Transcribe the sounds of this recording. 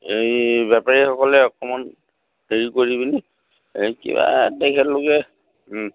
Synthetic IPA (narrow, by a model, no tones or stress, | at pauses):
ejbjapaɹixɔkɔlɛɔkɔmɔn | heɹikoɹibini | ekḭba̰tɛkʰɛtlokɛ